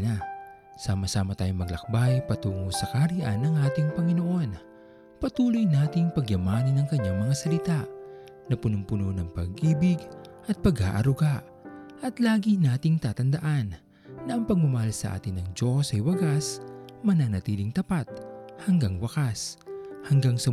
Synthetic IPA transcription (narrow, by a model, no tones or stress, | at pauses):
na | saːmɐsaːmɐt̪aːjoŋmɐɡlɐk̚bajpɐt̪uːŋosɐkaɾiʔanːɐŋʔaːt̪ɪŋpɐŋɪno̞ʔo̞n | pɐt̪uːlojnaːt̪ɪŋpɐɡjɐmaːnɐnɐŋkɐɲːaŋmɐŋasɐlɪt̪aʔ | nɐpʊnʊmpʊnonɐŋpɐɡʔiːbɪɡʔɐt̪̚pɐɡa̰ːʔɐɾʊɡaʔ | ʔɐt̪laːɡinaːt̪ɪŋt̪aːt̪ɐnd̪ɐʔanː | ɐʔɐŋpɐɡ̚mʊmɐhalsɐ̰ʔa̰ːt̪ɪnɐŋd͡ʒo̞sɐjwɐɡasmɐnaːnɐt̪iːlɪŋt̪ɐpat̪̚hɐŋɡaŋwɐkashɐŋɡaŋsɐ